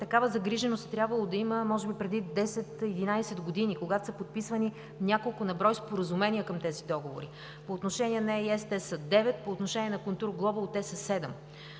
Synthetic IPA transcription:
t̪ɐkavəzɐɡɾiʒɛnost̪t̪ːɾʲjabvɐlˠod̪ɐiməmɔʒɛbipɾɛd̪id̪ɛsɛt̪id̪inasɛd̪ɡod̪inikoɡat̪o̥səpot̪̚pisvɐni | nʲakolˠkʊnɐbɾɔjspoɾɐzumɛniəkəmt̪ɛzid̪ɔɡovo̰ɾi | poːt̪noʃɛniɛnɛɛiɛst̪ɛsəd̪ɛvɛt̪̚poːt̪noʃɛniɛnɐkʊnˠt̪uɾɡlˠɔbəlˠt̪ɛsəsɛd̪ɛm

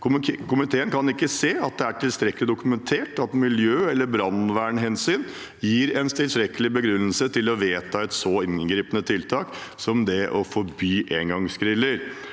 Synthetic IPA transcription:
kʊkʰʊmɪt̪ʰeːənkʰɑnɪkːəseːɑt̪̚d̪ɛæʈʰɪlst̪ɾɛkːəlɪd̪ʊkʉmɛnt̪ʰeːʈɑt̪mɪljøːɛlːəɾbɾɑnʋæːɳɦɛnsyːn | jiːɾɛnt̪ʰɪlst̪ɾɛkːəlɪbəɡɾʉnːəlsət̪ʰɪlɔʋeːt̪ʰɑːɛt̪sɔɪnɡɾiːpənət̪ʰɪlt̪ʰɑːksɔmd̪ɛʔɔfɔɾbyːʔeːŋɡɑŋskɾɪlːəɾ

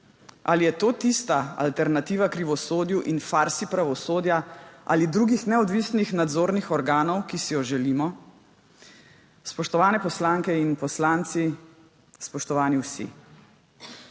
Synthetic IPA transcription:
a̰lijɛt̪oːt̪ist̪aa̰lt̪ɛɾnat̪iːʋakɾiʋɔsoːd̪juʔinfaɾsipɾaʋɔsoːd̪jaʔa̰lid̪ɾuːɡixnɛɔd̪ʋisnixnad̪zoːɾnixɔɾɡaːnɔwkisijɔʒɛliːmɔ | spɔʃt̪ɔʋaːnɛpɔslaːŋkɛinpɔslaːnt̪si | spɔʃt̪ɔʋaːniwsḭ

